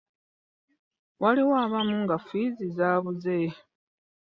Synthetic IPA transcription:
waliwaːβamuŋɡafizizaːβuze

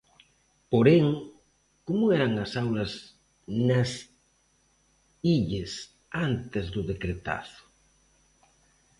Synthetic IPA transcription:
poɾeŋ | komʊɛɾɐŋɐsawlɐs | nɐs | iʎɪs | ant̪ɪzðʊðekɾet̪a̰θʊ̥

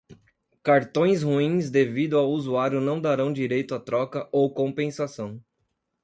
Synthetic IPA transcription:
kaɾt̪õj̃shuĩzd̪evid̪ʊawuzuaɾjʊnɐ̃w̃d̪aɾɐ̃w̃d͡ʒiɾejt̪ʊat̪ɾɔkɐʔowkõpẽsasɐ̃w̃

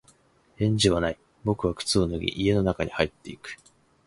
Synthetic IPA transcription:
ẽ̞ɲ̟d͡ʑiβ̞anai | bo̞kɯ̟β̞akɯ̟̥t͡sɨo̞nɯ̟ɡʲḭʔie̞no̞nakaɲ̟ihait̪ːe̞ikɯ̟̥

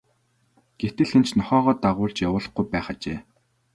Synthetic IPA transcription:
ɡ̥et̪ɘ̆ɮxent͡ɕnɔχɔːʁɔːt̪aʁʊːɮt͡ɕjawʊːɮə̆χɡujpæːχat͡ɕeː

